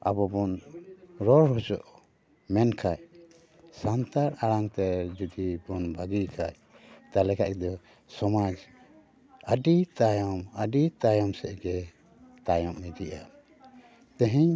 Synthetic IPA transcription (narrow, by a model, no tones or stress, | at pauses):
a̰bɔbɔn | ɾɔɾɾɔt͡ʃɔ̰ʔ | mɛnkʰaj | sant̪aɾaɽaŋt̪ɛd͡ʒud̪ibɔnbʱaɡikʰaj | t̪alɛkaʔd̪ɔ | sɔmad͡ʒ | əɖit̪ajɔməɖit̪ajɔmsɛʔɡɛ | t̪ajɔmnid͡ʒ̪iʔa | t̪ə̃ɦiɲ